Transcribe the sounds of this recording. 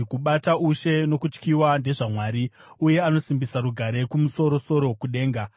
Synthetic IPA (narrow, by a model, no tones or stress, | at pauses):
kuɓataʔuʃe̞no̞kut͡ʃkiwande̞ʐamwaːɾi | uje̞ano̞simbisaɾuɡʱaɾe̞kumuso̞ɾo̞so̞ɾo̞kuɗe̞ːŋɡa